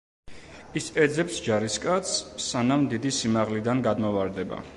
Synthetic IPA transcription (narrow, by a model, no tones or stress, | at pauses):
isɛd̪zɛpsd͡ʒaɾiskʼat̪ssanamd̪id̪isimaʁlid̪anɡad̪mɔvaɾd̪ɛba̰